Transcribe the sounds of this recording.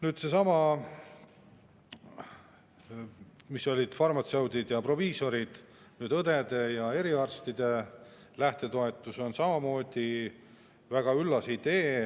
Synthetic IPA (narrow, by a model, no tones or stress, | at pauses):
nyːd̪̥se̞sɑmɑ | miso̞lʲid̪̥fɑrmɑt̪sewd̪id̪jɑpro̞viːso̞ɾid̪̥ | nyːd̪ɤd̪e̞d̪e̞jɑe̞ɾiɑrst̪id̪̥e̞ | læht̪e̞t̪o̞et̪ːˑuso̞nsɑmɑmo̞ːd̪̥i | væɡ̥ɑylːɑsid̪e̞ː